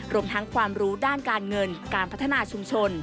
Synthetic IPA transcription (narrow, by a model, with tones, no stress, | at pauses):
ɾu˧əmt̪ʰa˦˥ŋkʰwaː˧mɾuː˦˥daː˥˩nkaː˧nŋɤ˧nkaː˧npʰa˦˥t̪ʰːa˧naː˧t͡ɕʰu˧mt͡ɕʰo˧n